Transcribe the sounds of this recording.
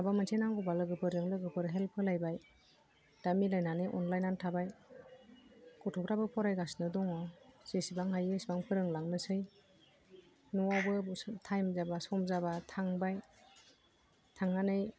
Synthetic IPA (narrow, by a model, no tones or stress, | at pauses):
abamantʰenaŋɡɔbalɯɡɯpʰɯɾɯŋlɯɡɯpʰɯɾɦelpʰɯlajbaj | d̥amilajnanɯjʔɔ̰nlajnantʰabaj | kɔtʰɔpʰɾabɯpʰɔɾajɡasnɯdɔŋɔz̥esibaŋɦajesbaŋpʰɯɾɯŋlaŋnɯsɯj | nɔwabɯtʰajmzabasɔmzabatʰaŋbaj | tʰaŋanɯj